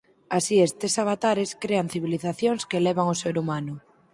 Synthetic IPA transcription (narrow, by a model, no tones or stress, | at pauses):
asiest̪esaβat̪aɾeskɾean̟θiβ̞iliθaθjoŋskeleβ̞aŋoseɾumanʊ